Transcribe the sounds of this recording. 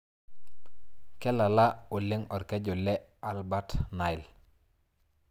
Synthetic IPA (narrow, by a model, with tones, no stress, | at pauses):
kɛ˦la˨la˦u˨li˦ŋɔ˨ɾke˦ɟo˨lɛ˦a˨lba˦tna˨i˨l